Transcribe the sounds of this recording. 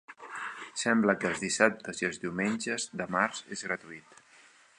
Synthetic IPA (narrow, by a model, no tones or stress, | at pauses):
sɛmbləkəːlˠzðisap̚t̪əziəlˠzðiwmenʲd͡ʒəzd̪əmaɾz̥ḛzɣɾət̪uit̪